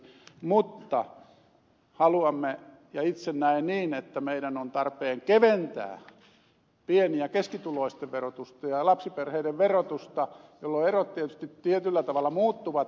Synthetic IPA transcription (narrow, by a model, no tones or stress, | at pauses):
mut̪ːɑ | hɑluɑmːe | jɑit̪sennæinniːnet̪ːæmeiɾænont̪ɑrpeːŋkeʋent̪æ̰ː | pieniækeskit̪uloist̪eʋʋerot̪ust̪ɑjɑlɑpsiperheiɾeʋʋerot̪ust̪ɑjolːoerot̪t̪iet̪y̥st̪it̪t̪iet̪ylːæt̪ɑʋɑlːɑmuːt̪ːuʋɑt̪